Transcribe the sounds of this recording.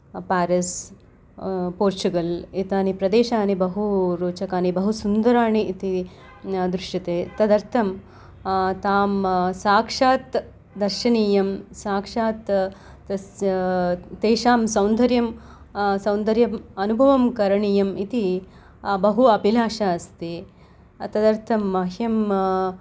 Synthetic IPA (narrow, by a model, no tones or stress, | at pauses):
paːɾɐs | poːɾt͡ʃuɡɐlit̪aːnipɾɐd̪eːʃaːnibɐɦuɾuːt͡ʃɐkaːnibɐɦusund̪ɐɾaːɳiʔːt̪i | d̪ɾuʂʈit̪eːt̪ɐd̪ɐɾt̪ʰɐm | t̪aːmsaːkʂaːt̪ | d̪ɐɾʃɐɳiːjɐmsaːkʂaːt̪ | t̪eːʃaːmsɐwnd̪ʱɐɾjɐm | sɐ̃wnd̪ɐɾjɐmɐnubʱɐʋɐmkɐɾɐɳiːjɐmit̪i | bɐɦuɐpilaːʃaːst̪i | t̪ɐd̪ɐɾt̪ʰɐmːɐɦjɐm